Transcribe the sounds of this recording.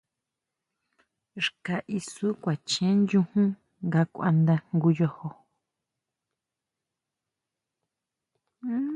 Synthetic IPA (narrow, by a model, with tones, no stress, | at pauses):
ʐka˨ʔi˧su˦kʷa˨t͡ʃẽ˦njũ˧hũ˦ | ŋɡa˧kʷa̰˧nd̪a˧ŋɡu˧jo˧ho˧˦